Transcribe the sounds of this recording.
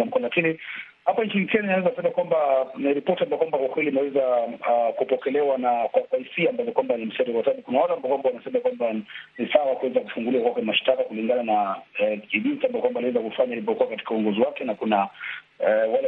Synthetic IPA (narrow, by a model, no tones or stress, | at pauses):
am̩kɔlakini | hapaiɲt͡ʃinikɛninawɛzasɛmakwambaniɾipɔtiambajɛkwambakwakwɛliːnawɛzakupɔkɛlɛwanakwakwaisiambavɔkwambanim̩sɛɾikwataaɓikunawatambaɔkwambawanasɛmakwambanisawakuwɛzakufuŋɡuliwakwakwɛlimaʃi̥takakuliŋɡanana | iʄinsiambajkwambaliwɛzakufaɲailip̬ɔkuwakati̥kauɔŋɡɔziwakɛnakuna | walɛ